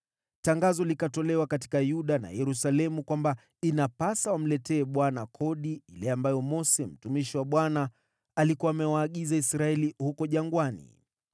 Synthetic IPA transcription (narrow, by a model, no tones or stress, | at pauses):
taŋɡazɔlikatɔlɛwakati̥kajuɗana̰jɛɾusalɛmukwamba | inapasawam̩lɛtɛːɓwanakʰɔɗiilɛambajɔmɔsɛm̩tumiʃiwaɓwana | alikuwaːmɛwaːɠizaisɾaɛlihukɔʄaŋɡwanḭ